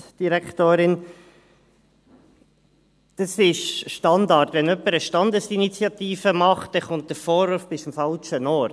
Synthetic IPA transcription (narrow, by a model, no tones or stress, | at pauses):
d̥iɾɛkʰtoːɾɪn | d̥ɑsɪʃʃtɑndɑɾtʋɛnœpːəɾəʃtɑnd̪əsinit͡sjɑt̪iːfəmɑχt̚d̥ɛχʊnt̚d̥əɾfɔːɾvuɾfb̥ɪsmfɑlt͡ʃənɔːɾ